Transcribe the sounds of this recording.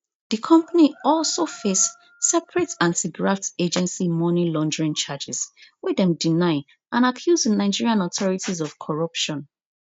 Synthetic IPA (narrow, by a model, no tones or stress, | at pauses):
ðikʰɔ̃mpaniɔlsofesː | ɛpʰɹɛtãntiɡɹafted͡ʒɛ̃nsimɔnilɔ̃ndɹĩnt͡ʃad͡ʒɪzwiðɛ̃mdinaɪ | ʔãnakʰjuznaɪd͡ʒiɹiãnɔtʰɔɹitizɔv̥kʰɔɹʌpʃɔ̃n